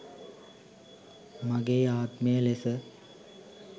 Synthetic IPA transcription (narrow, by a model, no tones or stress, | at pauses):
mɐɡeːaːt̪mejəlesə